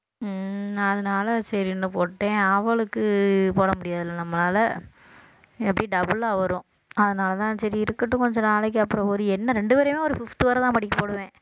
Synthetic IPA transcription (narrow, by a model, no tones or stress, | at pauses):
ɐðɐnaːlɐsɐɾinːɯpoːʈːẽːɐʋɐɭɯkːɯpoːɽɐmʊɽɪjaːðɪlːɐnɐmːɐnaːlɐ | ɛpːɐɽiɖɐbɯlːaʋɐɾõː | ɐðɐnaːlɐt̪ãːsɐɾiɪɾɯkːɐʈːɯkɔɲd͡ʒɔ̃naːlɐk̬ːɯɐpːɯɾɔ̃ɔɾɯɛnːɐɾɛɳɖɯpeːɾɐmeːɔɾɯfɪft̪ɯʋɐɾɐt̪ãːpɐɽɪkːɐpoːɽɯʋẽː